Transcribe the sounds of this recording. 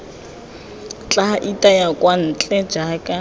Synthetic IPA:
t͡ɬʼaʔitʼajakʼwan̩ːt͡ɬʼɛd͡ʒaːkʼa

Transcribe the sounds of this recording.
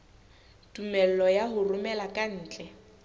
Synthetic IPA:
tʼumɛl̩lɔjaɦʊrʊmɛlakʼan̩ːt͡ɬʼɛ

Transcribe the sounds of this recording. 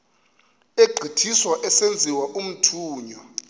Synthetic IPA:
eɡ͡ǃʱitʰiswaʔɛsend͡zʱiwaʔum̩tʰuːɲɔ

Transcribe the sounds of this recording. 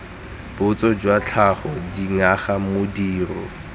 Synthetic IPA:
b̥ʊt͡sɔd͡ʒwat͡ɬʰaχɔdiŋaχamʊdiːrɔ̰

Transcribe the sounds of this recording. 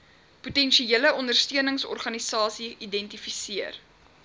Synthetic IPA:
putɛnʃieələɔndərstiənəŋsɔ̰rχɐnisɑːsiidɛntifisiər

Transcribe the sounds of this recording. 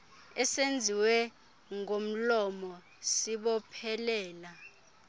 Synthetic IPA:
ɛsend͡zʱiwɛ | ŋʱom̩lɔmɔ | siɓɔpʰɛlɛːla

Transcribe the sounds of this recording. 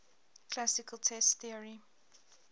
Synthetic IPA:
kʰl̥asɪkʰəlˠtʰɛstθiəɹi

